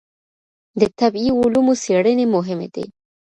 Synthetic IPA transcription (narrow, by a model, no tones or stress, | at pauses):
d̪ət̪abiʊlumoseɽənemʊɦɪmḛd̪̥ḛ